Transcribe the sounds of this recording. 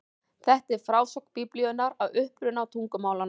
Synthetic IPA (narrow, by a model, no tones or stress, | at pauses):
θɛht̪ɛɾ̥fɾawsœkpipliɔnaɾaðʏhpɾʏnawt̪ʰuŋkʏmaːwlan